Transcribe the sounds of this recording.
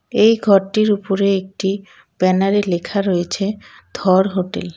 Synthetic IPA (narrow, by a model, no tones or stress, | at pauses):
ejɡʱɔɾʈiɾupoɾeek̚ʈi | b̥ɛnaɾelekʰaɾojet͡ɕʰe | d̪ʱɔɾɦoʈḛl